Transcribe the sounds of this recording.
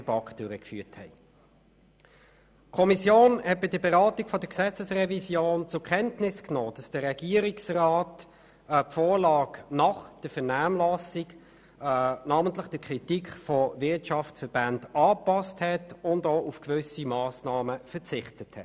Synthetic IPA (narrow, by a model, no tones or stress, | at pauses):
əb̥ɑkd̥øɾəkfy̰ːthɛ̰ɪ | kʰɔmisjoːnhɛt̚b̥ɪdəbɛʁɑːtikfɔdəksɛt͡səsʁɛvisjoːnt͡sʊkʰɛntnɪsknoːd̥ɑsd̥əʁːɛɡ̥iːəɾiksraːt | pfoːlɑːknɑχd̥əfɛnaːmlɑsik | nɑːməntləχd̥əkʰʁitikfɔvɪɐtʃɑftsfəb̥andɑːpɑsthɛtʊndoːufkvʏsimɑːsnɑːməfət͡sɪχtəthɛ̰t